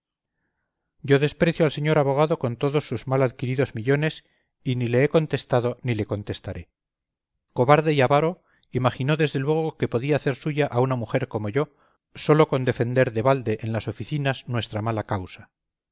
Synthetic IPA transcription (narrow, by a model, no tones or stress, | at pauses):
ɟ͡ʝo̞ðe̞spɾe̞θjoalse̞ɲo̞ɾaβo̞ɣ̞aðo̞ko̞nt̪o̞ðo̞sːuzmalaðkiɾiðo̞zmiʎo̞ne̞s | inile̞eko̞nt̪e̞st̪aðo̞nile̞ko̞nt̪e̞st̪aɾe̞ | ko̞βaɾðe̞iaβaɾo̞ | imaxino̞ðe̞zðe̞lwe̞ɣo̞ke̞po̞ðiaːθe̞ɾsuʝaʔaunamuxe̞ɾko̞mo̞ʝo̞ | so̞lo̞ko̞nd̪e̞fe̞nd̪e̞ɾðe̞βald̪e̞ʔːnlaso̞fiθinaznwe̞st̪ɾamalakawsḁ